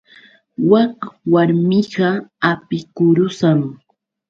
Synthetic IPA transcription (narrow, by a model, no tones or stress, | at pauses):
wɑqwaɾmɪɢɑapɪkʊɾʊsaŋ